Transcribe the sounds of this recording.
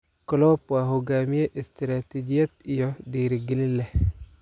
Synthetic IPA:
kɔlopwaɦuɡamieʔestɾatid͡ʒijet̚ijodiɾiɡililːe

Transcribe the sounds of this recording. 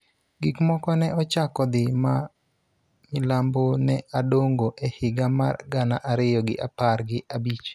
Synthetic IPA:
ɡikmɔkɔnɛɔt͡ʃakɔd̪ɪma | mɪlambonɛadoŋɡoʔɛhɪɡama̰rɡana̰ʔaɾɪjɔɡɪ̰ʔaparɡɪʔabit͡ʃ

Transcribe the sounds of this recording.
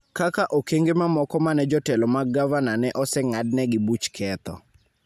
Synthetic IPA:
kakaʔokeŋɡemamɔkɔmanɛd͡ʒɔtɛlɔmaɡavananɛʔɔsɛŋadnɛɡɪbut͡ʃkʰɛt̪ɔ̰

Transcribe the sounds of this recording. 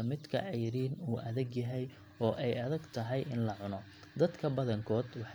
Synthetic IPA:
ɐmɪd̪kʰɐ̰ʕɛjɾiːnuːʔɐðɐɡjɐɦɛj | ɔːʔɛjɐðɐɡt̪ʰɐɦɛjʔɪnlɐʕʊnɔ | d̪ɐd̪kʰɐbɐðɐŋkʰɔːd̪wɑħ

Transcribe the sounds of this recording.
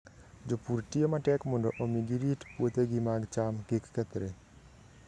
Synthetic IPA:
d͡ʒopuɾʈijomaʈɛkmoɳɖɔʔomiɡiɾiʈpuot̪eɡimaɡt͡ʃamkikːɛt̪ɾe

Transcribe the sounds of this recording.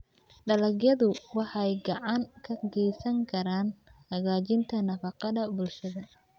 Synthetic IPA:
ɖɐlɐɡjɐðʊwɑħɑɛjɡɑʕɑŋkʰɐɡɛjsɐŋkʰɐɾaːnhɐɣaːt͡ʃɪnt̪ʰɐnɐfɑqɑðɐbʊlʃɐðɐ

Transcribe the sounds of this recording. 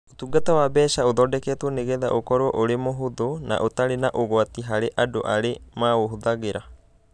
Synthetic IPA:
otuɡatawabɛːʃaoðɔːdɛkɛːtwɔneɣɛða̰ʔokɔɾwɔʔoɾemoɦoðona̰ʔotaɾenaʔoɣwatiɦaɾeʔadoʔaɾemaoɦuðaɣeɾa

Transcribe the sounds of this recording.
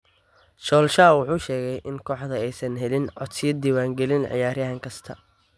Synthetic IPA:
ʃɔːlʃaːwʊħuːʃɛːɣɛjʔɪŋkʰɔːħðɐɛjsɐnɦɛlɪnʕɔ̰t̪sɪjɐd̪iːwaːŋɡɛlɪnʕɪ̰jaːɾjɐɦɐŋkʰɐst̪ʰɐ

